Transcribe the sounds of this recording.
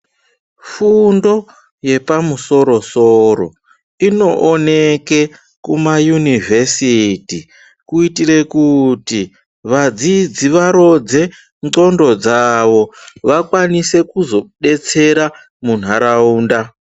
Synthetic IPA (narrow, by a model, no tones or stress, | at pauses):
fundo̞ | je̞pamuso̞ɾo̞soɾo̰ | ino̞ʔːneke | kumajunivʱesiti | kuitire̞kuti | ʋad͡zid͡ziʋaɾo̞d͡ze̞ | ŋŋ͡ǀo̞ndo̞d͡zaʋo̞ʋakwanise̞kuzo̞ɗe̞t͡se̞ɾa | mun̤aɾauːnda